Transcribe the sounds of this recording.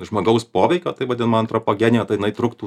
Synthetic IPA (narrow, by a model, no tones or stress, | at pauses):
ʒmoːɡɐʊspoːʋʲɛɪkʲoːt̪ɐɪʋɐd̪ʲɪnmɐnt̪ɾɔpoːɡʲɛːnʲɪjoːt̪ɐɪjɪnɐɪt̪ɾʊkt̪uː